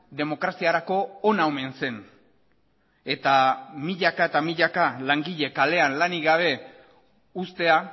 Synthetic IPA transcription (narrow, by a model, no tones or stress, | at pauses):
d̪e̞mo̞kɾasiaɾako̞ːnaome̞nse̞n | e̞t̪amiʎakaet̪amiʎakalaŋɡiʎe̞kale̞anlaniɣaβ̞e̞ | ust̪e̞a